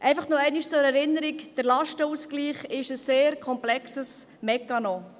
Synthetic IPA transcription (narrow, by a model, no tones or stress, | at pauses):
ʔɛɪfɑχnoɛɪniʃt͡sʊɾɛɾɪnəɾikd̥əɾlɑʃtəuːskliːχɪʃəsːeːɾkʰɔmplɛksəs | mɛkːɑno